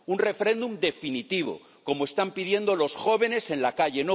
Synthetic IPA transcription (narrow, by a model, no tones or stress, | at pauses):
unre̞feɾe̞nd̪umd̪e̞finit̪iβ̞o̞̰ | ko̞moe̞st̪ampið̞je̞nd̪olo̞sxo̞β̞e̞ne̞se̞nlakaʎe̞no